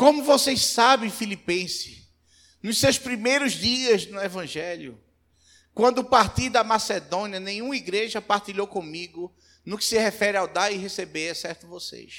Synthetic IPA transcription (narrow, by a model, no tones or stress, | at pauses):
kõmʊvosejssabẽj̃filipẽsɪ̥ | nʊssewspɾimejɾʊzd̪iɐznʊevɐ̃ʒɛljʊ̰ | kwɐ̃nd̪ʊpaɾt̪iɾd̪ɐmased̪õniɐnẽj̃ũmɐiɡɾeʒɐpaɾt̪iʎowkõmiɡʊ | nʊkɪ̥sɪhɛfɛɾɪawd̪aɾɪɦesebeɾɛsɛɾt̪ʊvosḛjs